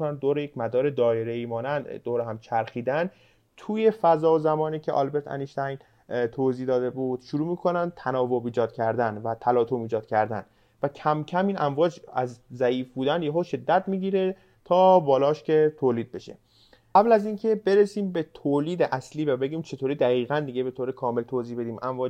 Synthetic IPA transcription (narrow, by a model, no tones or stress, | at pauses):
nænd̪oːɾejecmæd̪ɒːɾe̞d̪ɒːjeɾeiːmɒːnænd̪d̪oːɾeɦæmt͡ʃʰæɾxiːd̪æn | t̪ʰuːje̞fæzɒːozæmɒːniːcʰeʔɒ̰lbe̞ɾt̪ʰæ̰niʃt̪æjn | t̪ʰoːziːd̪ɒːd̪e̞buːd̪̥ʃuɾuːmiːkʰo̞nænd̪t̪ʰænɒːvobiːd͡ʒɒːd̪̚cʲʰæɾd̪ænvæt̪ʰælɒːt̪ʰomiːd͡ʒɒːd̪̥̚cʲʰæɾd̪æ̰n | væcʰæmcʰæmiːnʔæɱvɒːd͡ʒæ̰zzæiːfbuːd̪ænjeɦoːʃe̞d̪ːæt̪miːɟiːɾe̞ | t̪ʰɒːbɒːlɒːʃcʲe̞t̪ʰoːliːd̪̚be̞ʃḛ | ɢævlæziːncʰe̞be̞ɾesiːmbet̪ʰoliːd̪eʔæsliːvæbe̞ɟiːmt͡ʃʰe̞t̪ʰoɾid̪æɣiːɣænd̪iɡebe̞t̪ʰoːɾekʰɒːme̞lt̪ʰoːziːbe̞d̪iːmʔæɱvɒː